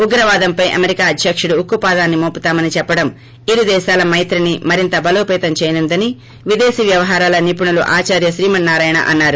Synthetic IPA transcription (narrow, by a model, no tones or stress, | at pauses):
uɡɾɐʋaːd̪ɐmpɐjʔɐ̰meɾikaːɐd̪ʱjɐkʂuɽuːkːupaːd̪aːnːimoːput̪aːmɐnit͡ʃɛpːɐɽɐm | iɾud̪ɛːʃaːlɐmɐjt̪ɾinimɐɾint̪ɐbɐloːpɛːt̪ɐmt͡ʃɛːjnund̪ɐni | ʋid̪eːsiʋjɐʋɐɦaːɾaːlɐnip̬uɳulṵʔaːt͡ʃaːɾjɐʃɾiːmɐnːaːɾaːjɐɳɐ̰ʔɐnːaːɾu